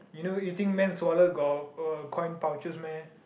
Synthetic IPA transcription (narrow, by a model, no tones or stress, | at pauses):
junojut̪ĩŋkmɛ̃nswɔləɡɔkʰɔ̃j̃npawt͡ʃəsmɛ̃n